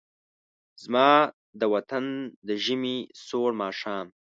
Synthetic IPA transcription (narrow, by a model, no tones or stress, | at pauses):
zmɑː | d̪əwat̪and̪əʒəmisoːɽmɑːʃɑːm